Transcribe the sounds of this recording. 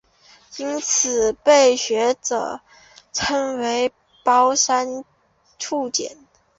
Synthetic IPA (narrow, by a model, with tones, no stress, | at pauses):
i˥nt͡sʰɹ̩˨˩pe˥˩ɪɕɥɛ˧˥ʈ͡ʂɤ̰˨˩ | ʈ͡ʂʰɤ˥ŋwe˧˥ɪ | pɑ˥ʊʂa˥n | ʈ͡ʂʰu˥˩t͡ɕjɛ̰˨˦n